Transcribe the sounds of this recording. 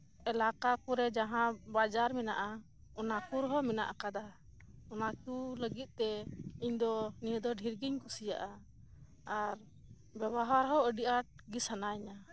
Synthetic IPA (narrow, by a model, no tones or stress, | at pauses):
ɛlakakuɾɛd͡ʒaɦãbad͡ʒaɾminaʔa | ɔnakuɾɦɔmina̰ʔakad̪a | ɔnakuləɡit̪̚t̪ɛiɲd̪ɔnijəd̪ɔɖʱiɾɡiɲkusija̰ʔa | aɾ | bɛbaɦwaɾɦɔəɖiʔaʈ̚ɡisanajɲa